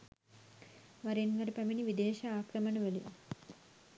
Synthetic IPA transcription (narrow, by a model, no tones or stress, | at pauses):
ʋaɾenʋɐɾəpæminiʋid̪eːʃaaːkɾɐməɳɐʋælḭ